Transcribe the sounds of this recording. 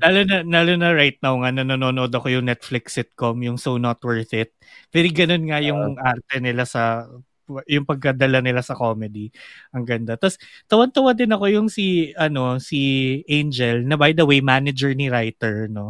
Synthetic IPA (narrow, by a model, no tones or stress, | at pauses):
laːlonɐlaːlonɐɹajt̪̚nawŋanɐnononoʔd̪ɐko̞jʊŋnɛt̪̚flɪksɪt̪̚komjʊŋsownot̪wɛɹθɪt̪̚pɛɾiɡɐno̞nŋajʊŋʔaɾt̪ɛnɪlasɐ | jʊŋpɐɡ̚kɐd̪ɐlanɪlasɐko̞mɛd̪iʔɐŋɡɐnd̪at̪ast̪ɐwɐnt̪ɐwɐd̪ɪnɐko̞jʊŋsiɐno̞siʔejnd͡ʒɛlnɐbajd̪ɐwejmanɐd͡ʒɛɹniɾajt̪ɛɹno̞